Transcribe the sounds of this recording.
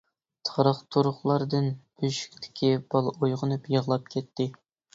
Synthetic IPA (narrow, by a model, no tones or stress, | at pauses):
t̪ʰɾəqt̪ʰuɾʊχlˠɑɾd̪ɨnb̥yʃy̥kʲt̪ʰɪ̥kʲib̥ɑlˠojʁənɨpjəʁlˠɑp̚kʲɛt̪ːɪ